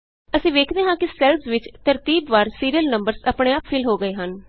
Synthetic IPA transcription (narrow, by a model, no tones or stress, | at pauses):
əsĩːʋeːkʰd̪eːɦãːkɪsɛːlsʋɪt͡ʃt̪əɾt̪iːbʋaːɾsiːɾijəlnəmbəɾsaːpɳeːaːpfʰɪlɦoːɡəeːɦən